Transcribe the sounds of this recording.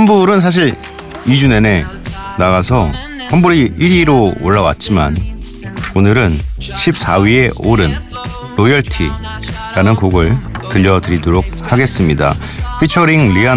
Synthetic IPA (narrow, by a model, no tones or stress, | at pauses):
hambuɾɯnsʰaɕ̬ʰiɾ | id͡ʑune̞ne̞ | naɡasʰʌ | hambuɾiiɾiɾooɭːawa̰t̚t͡ɕ͈ima̰n | onɯɾɯnɕʰip̚s͈awɥie̞oɾɯnː | ojʌɭtʰḭ | ɾanɯnkoɡɯɭtɯʎːʌdɯɾidoɾok̚haɡe̞s͈ɯmɲida̰ | pʰit͡ɕʰʌɾiŋlia